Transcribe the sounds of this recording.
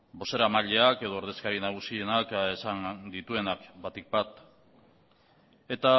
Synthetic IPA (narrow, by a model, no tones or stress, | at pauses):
bo̞se̞ɾamaʎe̞ake̞ðo̞ːɾðe̞skaɾinaɣ̞usie̞nakesand̪it̪ue̞nakbat̪ik̚bat̪ | e̞t̪a